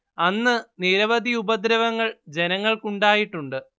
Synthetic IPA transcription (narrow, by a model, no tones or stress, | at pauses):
ɐnːɨniɾɐʋɐd̪ʱiubɐd̪ɾɐʋɐŋːɐɭd͡ʑe̞nɐŋːɐɭkuɳɖaːjiʈːuɳɖɨ